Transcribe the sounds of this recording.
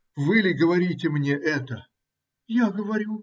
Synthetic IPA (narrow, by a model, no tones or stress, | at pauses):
vɨlʲɪɡəvɐɾʲitʲɪmnʲeʔɛt̪ə | jaɡəvɐɾʲu